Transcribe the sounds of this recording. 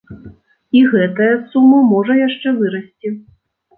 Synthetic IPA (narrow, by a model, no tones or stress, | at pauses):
iɣɛt̪ɐjɐsumɐmɔʐɐjaʂt͡ʂɛvɨɾɐsʲt͡sʲi